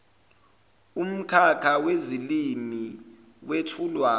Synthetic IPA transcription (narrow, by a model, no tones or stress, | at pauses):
um̩kʰakʰawezilimi | wetʰulwaː